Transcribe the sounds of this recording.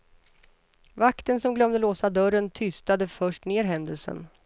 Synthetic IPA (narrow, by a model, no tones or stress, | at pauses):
vakt̪ənsɔmɡlœmd̪əloːsad̪œɾənt̪ʰʏst̪ad̪əfœʂʈneːɾɦɛnd̪əlsə̰n